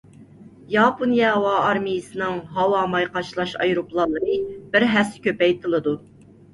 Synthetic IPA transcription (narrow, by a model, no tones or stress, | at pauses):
jɑponjɑwɑːɾmɨjɨsɨnɨŋɦɑwɑmɑjqɑʃlˠɑʃɑ̰jɾuplˠɑlˠːəɾɨbɪɾɦæsɪ̥kʲøpɛjt̪ʰɨlˠɨd̪u